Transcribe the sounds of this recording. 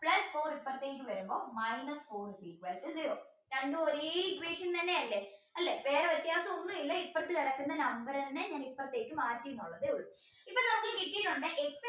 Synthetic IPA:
pɭɐsfo̞ːɾipːɐrt̪ːeːk̬ʲːɨʋɐɾumboːmɐjnɐsfoːrsiːkʋɐːʈ̪ːɨziːɾoː | ɾeɳɖɨoɾeikːʋeːʂɐnt̪ɐnːeɐlːeɐlːeʋe̞ːɾeʋɐt̪ːjaːsɐmonːuilːɐipːɐrɐt̪ːɨkɐɽɐkːunːɐnɐmbɐɾɐnnːeɲaːnipːɐrɐt̪ːe̞ːkʲːɨmaːtːiunːuɭːɐðɨuɭː | ipːoɭnɐmːɐɭɨkiʈːiʈːoɳɖɨʔeks

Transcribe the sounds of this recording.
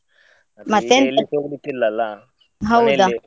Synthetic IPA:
mat̪en | ɦawd̪a

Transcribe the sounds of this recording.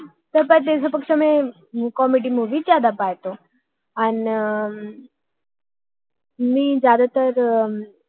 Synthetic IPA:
t̪əɾpat̪esapəkʂəmẽ | kɔmiɖimuːʋit͡ɕjad̪apajt̪o | an | mid͡ʑjad̪at̪əɾ

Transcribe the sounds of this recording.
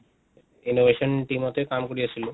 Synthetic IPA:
inobʱeʃonʈimot̪ekamkoɾiet͡ɕʰilo

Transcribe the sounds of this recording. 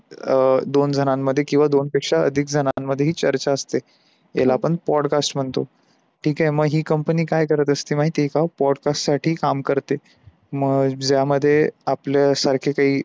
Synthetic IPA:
d̪ond͡zʱənãmːəd̪ʱːjekĩw̃ʋad̪onpekʂaə̰d̪ʱik̚d͡zʱənamːəd̪ʱːjeɦiːt͡ɕəɾt͡ɕaəst̪e | jḛlaːpəɳpɔɽkasʈm̤əɳt̪o̰ | ʈʰiːkaɦeməɡɦiːkəmpəniːkajkəɾət̪əst̪iːmaɦiːt̪ekapɔɽkasʈsaʈʰiːkamkəɾt̪e | məɡd͡ʑjaməd̪ʱːjeapljasaɾkʰekaɦiː

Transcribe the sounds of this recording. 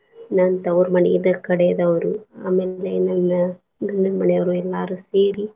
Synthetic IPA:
nɐnt̪ɐwɾmɐnḛid̪ɐkɐɽɛjɐd̪ɐɐʋɐɾua̰ːmeːlenɐnːɐ | ɡɐɳɖɐɾmɐɳɛjɐʋɐɾuɛlːaːɾuseːɾi

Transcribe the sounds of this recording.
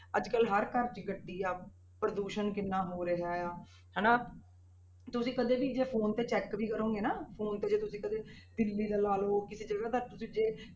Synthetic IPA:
əd͡ʒkəlɦəɾkəɾt͡ʃɡəʈːiːaː | pɾəd̪uːʃənkɪnːãːɦoːɾeɦaːjaː | ɦɛːnaː | t̪ʊsĩːkəd̪eːbiːd͡ʒeːpʰoːnt̪eːt͡ʃɛːkʋiːkəɾõːŋɡeːnaːpʰoːnt̪eːd͡ʒeːt̪ʊsĩːkəd̪eːd̪ɪlːiːd̪aːlaːloːkɪseːd͡ʒəɽaːd̪aɾt̪ʊsĩːd͡ʒeː

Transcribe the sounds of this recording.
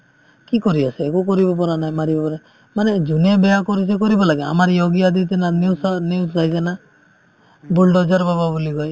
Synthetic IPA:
kikɔɾiaseːkukɔɾibɔp̬ɔɾanajmaɾibɔpɔɾa | manɛd͡ʒunebɛjakɔɾis̬ɛk̬ɔɾibɔlaɡɛa̰maɾjɔɡiad̪it̪ɛnaniwsniwsɾajd͡ʒana | bulɖɔd͡ʒɔɾbababuliɡɔj

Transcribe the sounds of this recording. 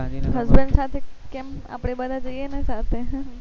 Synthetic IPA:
ɦəzbəɳɖsat̪ʰekema̰pɽ̃ebəd̪ʱad͡ʒəijenesat̪ʰe

